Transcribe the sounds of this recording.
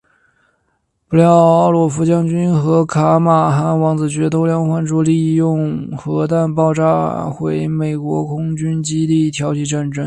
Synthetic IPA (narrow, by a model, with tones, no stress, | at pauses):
pu˧˥ljɑ˧˥˩ʊɑ˥˩ʊlwɔ˨˩fu˧˥t͡ɕjɑ˥ŋt͡ɕy˥nxɤ˧˥kʰa˧˥ma˨˩xa˧˥nwɑ˧˥ŋt͡sɹ̩˨˩t͡ɕɥɛ˧˥t̪ʰo˥ʊljɑ˥˧ŋxwa˥˧nʈ͡ʂu˥li˥˧jʊ˥˧ŋxɤ˧˥t̪a˥˧npɑ˥˧ʊʈ͡ʂa˥xwe˧˥ɪme˨˩ɪkwɔ˧˥kʰʊ˥ŋt͡ɕy˥nt͡ɕi˥t̪i˥˩t̪ʰjɑ˧˥ʊt͡ɕʰi˧˩ʈ͡ʂa˥˩nʈ͡ʂɤ˥ŋ